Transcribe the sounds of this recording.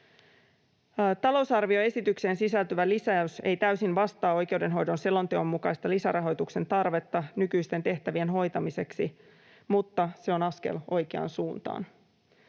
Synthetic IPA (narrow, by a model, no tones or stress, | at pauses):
t̪ɑlo̞wsɑrʋio̞e̞sit̪ykse̞ːnsisælt̪yʋælisæyse̞̰jt̪æysinʋɑst̪ɑːo̞jk̟e̞ude̞nɦo̞jdo̞nse̞lo̞nt̪e̞o̞mːukɑist̪ɑlisæɾʔɑɦo̞jt̪ukse̞nt̪ɑrʋe̞t̪ːɑnykyjst̪e̞nt̪e̞ht̪æʋienɦo̞jt̪ɑmise̞ksi | mut̪ːɑse̞o̞nɑske̞̰lo̞jk̟e̞ɑ̰nsuːnt̪ɑ̰ːn